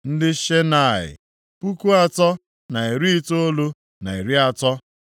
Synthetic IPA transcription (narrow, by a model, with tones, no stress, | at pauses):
n̩˦dɪ˦ʃe˦na˨ɪ̰˨ | pu˦ku˦a˨tɔ˦ | na˨i˨ɾi˦i˦to˦o˦lo˦ | na˨i˨ɾi˦a˦˨tɔ˦